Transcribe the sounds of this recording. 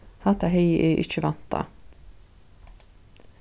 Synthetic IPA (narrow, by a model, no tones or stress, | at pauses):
hɑt̪ʰɑhœʏʔeːʔɪt͡ʃəʋɑnt̪ɑ̰